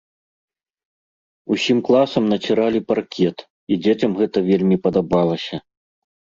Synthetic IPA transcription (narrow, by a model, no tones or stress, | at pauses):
usʲimklˠasɐmnɐt͡sʲiɾalʲiparkʲʰɛt̪ | id͡zʲet͡sʲɐmɣɛt̪ɐvʲelʲmʲipɐd̪abalˠɐsʲɐ